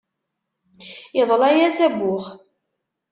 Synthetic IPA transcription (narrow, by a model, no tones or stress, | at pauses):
əðˤlæjæsæbːʊχ